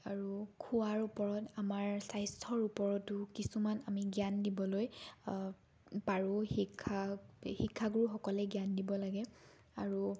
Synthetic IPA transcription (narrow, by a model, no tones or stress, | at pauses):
aɹukʰuwaɹupɔɹɔtamaɹsajstʰɔɹupɔɹɔtːʊkisumanamiɡjandibɔloj | paɹuhikʰːahikʰːaɡuɹuxɔkɔlɛɡijandibɔlaɡɛ | aɹu